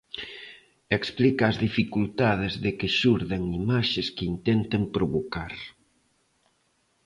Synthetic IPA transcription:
eksplikaːzðifikult̪aðɪzðɪkɪʃuɾðeŋimaʃeskɪint̪ɛnt̪empɾoβokaɾ

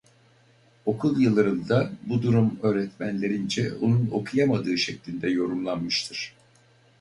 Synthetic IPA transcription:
o̞kʰulˠjɯlˠaɾɯnd̪abud̪uɾumø̞ːɾɛt̪mænlʲe̞ɾind͡ʒɛonuno̞kʰujamad̪ɯːʃɛclʲinʲd̪ɛjo̞ɾumlˠanmɯʃt̪ʰɯɾ̥

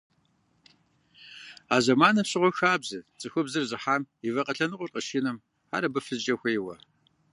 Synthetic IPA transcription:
aːʑɐmaːnɐpɕɪʁʷɔxaːbzɨt͡sʼɨxʷʊbzɨrʑɪħaːmivɐqʼɐɬʰɐnɨqʷʊrqʼəʃinɨm | a̰ːɾɐbɨfɨzd͡ʒʼɐxʷɐjwɐ

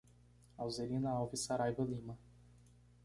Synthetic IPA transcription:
awzeɾĩnɐawvisaɾajvɐlĩmɐ

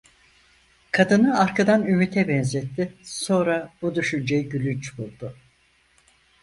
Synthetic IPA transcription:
kʰad̪ɯnɯaɾkʰad̪anymyt̪ʰɛbɛnzɛt̪ʰːɪso̞nɾab̥ud̪yʃynd͡ʒɛjɟylʲynt͡ʃbulˠd̪ʊ

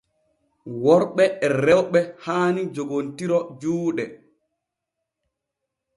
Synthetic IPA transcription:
wɔɾɓɛɛrɛwɓɛhaːnid͡ʒoɡontiɾɔd͡ʒuːɗɛ

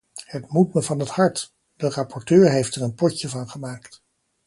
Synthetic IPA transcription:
hətmutməvɑnɦəthɑɹt | d̥ərɑpɔɹtøːɹɦejftɛrənpɔcəvɑnχəmaːkt

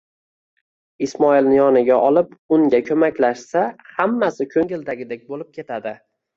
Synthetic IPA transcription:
ɪsmɒilnɪjɒnɪɡʲaʔɒlɪpʊŋɡʲakʲʰɵmakʲlaʃsahamːasɪkʲʰɵŋɪld̪aɡʲɪd̪ek̚ʲbolɪp̚kʲʰe̞t̪ʰad̪ɪ

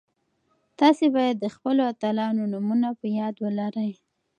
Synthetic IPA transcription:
t̪ɑsebɑjad̪ːəxpəloat̪alɑnonumunapəjɑd̪wəlaɾəj

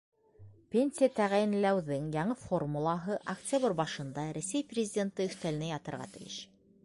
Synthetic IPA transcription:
pʲenʲsʲijat̪æʁæjɘ̆nlæwðɘŋjɑɴɤfo̞rmulˠɑɦɤʔɐktʲabrbɑʃɤ̆nd̪ɑɾæsæjprʲɪzʲɪdʲent̪ɤɵ̆θt̪æl̆næjɑt̪ɤ̆ɾʁɑ̰t̪ɘ̆jɘ̰ʃ

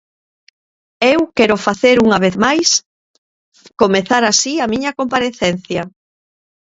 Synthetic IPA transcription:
ewkɛɾʊfaθeɾuŋɐβ̞eðmajs | komeθaɾasiɐmĩɲɐkompaɾeθɛn̟θjɐ

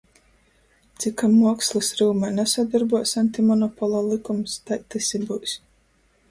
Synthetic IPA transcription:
t̪sikamːuɔkslˠɨsɾuːmanɛsad̪aɾbuɔsant̪imɔnɔpɔlˠaːlˠikumst̪ajt̪ɛsʲibusʲ

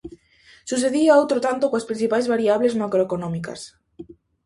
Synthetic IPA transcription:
sus̬eðiaowt̪ɾot̪ant̪okõaspɾin̟θipajzβaɾiaβlezmakɾoekonõmika̰s

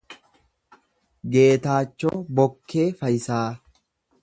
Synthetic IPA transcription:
ɡe̞ːt̪aːt͡ʃːo̰ːbɔkːeːfɐjɪsaː

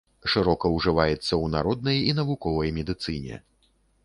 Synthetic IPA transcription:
ʂɨɾɔkɐwʐɨvajɛt̪sːɐwnaɾɔd̪̚nɐjin̪ɐvukɔvɐjmʲɛd̪ɨt̪sɨnʲɛ̰

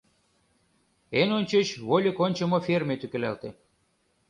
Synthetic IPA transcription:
enonʲt͡ɕet͡ɕβolʲekonʲt͡ɕə̆mofʲermʲet̪ykĕlælt̪e

